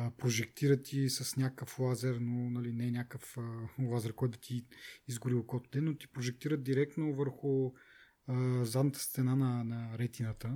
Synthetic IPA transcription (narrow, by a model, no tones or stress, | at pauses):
əpɾoʒɛk̚t̪iɾət̪ʰisəsnʲakəflˠazɛɾnonɐlinɛnʲakəfəlˠazɛɾkɔjt̪d̪ɐt̪ʰiːzɡʊɾilˠkɔt̪ʊ̥d̪ɛnːot̪i̥pɾoʒɛk̚t̪iɾəd̪̚d̪iɾɛk̚t̪novəɾxʊ | əzad̪nət̪ə̥st̪ɛnanɐnɐɾɛt̪inət̪ə